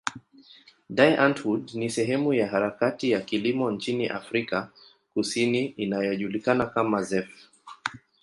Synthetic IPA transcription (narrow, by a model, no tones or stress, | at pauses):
dajʔantwudnisɛɦɛmujaɦaɾakatijakilimɔnt͡ʃiniʔa̰fɾika | kusiniinajɔʄulikanakamazɛf